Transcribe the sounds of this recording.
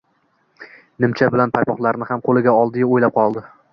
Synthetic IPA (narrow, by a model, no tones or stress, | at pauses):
nɪmt͡ʃʰabɪlanpʰajpɒχlˠaɾnɪhamqʰolˠɪɡʲaɒlˠd̪ɪaojlap̚qʰɒlˠd̪ɪ